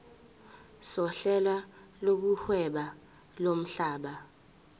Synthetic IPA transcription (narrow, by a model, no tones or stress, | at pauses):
sɔɬɛlwa | lok̬uhwɛɓa | lom̩ɬaːɓa